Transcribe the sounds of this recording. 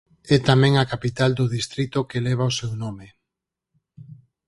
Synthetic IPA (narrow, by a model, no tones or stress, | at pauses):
ɛt̪amɛ̃ŋakapit̪ald̪ʊðist̪ɾit̪okelɛβ̞aosewnome